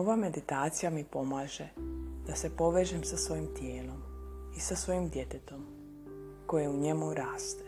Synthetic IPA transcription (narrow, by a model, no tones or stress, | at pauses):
oʋame̞d̪it̪aːt̪sijamipo̞maːʒed̪̥ase̞po̞ʋe̞ːʒemsasʋo̞jimt̪jeːlo̞misasʋo̞jimd̪je̞t̪et̪o̞m | ko̞jeuɲe̞muɾaːst̪e̥